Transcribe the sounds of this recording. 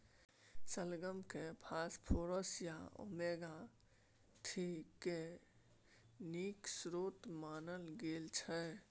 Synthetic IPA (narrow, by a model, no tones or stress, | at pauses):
səlɡəmkepʰaːspʰoːɾəsjao̰meːɡa | t̪ʰike | niːksɾoːt̪maːnəlɡeːlt͡ʃʰɛ